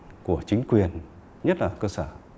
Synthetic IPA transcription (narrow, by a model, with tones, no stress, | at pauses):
ku˧˩ət͡ɕï˨˦ŋ̟kwi˨˩ən | ɲə˦˥t̚laː˨˩kəː˧səː˧˩